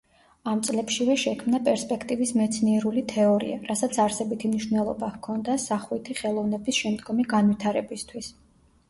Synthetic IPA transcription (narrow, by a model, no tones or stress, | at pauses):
amt̪sʼlɛpʃivɛʃɛkʰmnapʼɛɾspʼɛkʰt̪ʼivismɛt̪sʰniɛɾulit̪ʰɛɔɾḭa̰ɾasat̪sʰaɾsɛbit̪ʰimniʃvnɛlˠɔbakʰɔnd̪asaχwit̪ʰiχɛlˠɔvnɛbisʃɛmd̪ɡɔmiɡanvit̪ʰaɾɛbist̪ʰwis